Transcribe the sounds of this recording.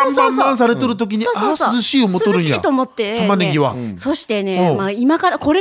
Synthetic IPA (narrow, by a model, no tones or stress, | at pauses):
oãmãɰ̃s̬aɾe̞t̪oɾɯ̟t̪o̞k̬ʲiɲ̟iasɨzɨɕiːomooɾɯ̟̃ɲ̃ja̰t̪omot̪ːe̞amaneɡʲiβa̰so̞ɕi̥t̪e̞ne̞õmaimakaɾako̞ɾe